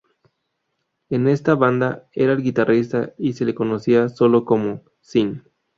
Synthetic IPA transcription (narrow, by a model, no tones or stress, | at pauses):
ene̞st̪aβand̪aeɾaelɡit̪arʔist̪aise̞le̞ko̞no̞siaso̞lo̞ko̞mo | sin